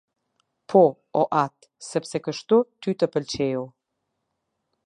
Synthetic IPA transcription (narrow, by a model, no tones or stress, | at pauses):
pʰɔ | ɔʔat̪ | səpsɛkəʃt̪ut̪yt̪əpəlt͡ɕɛjulˠ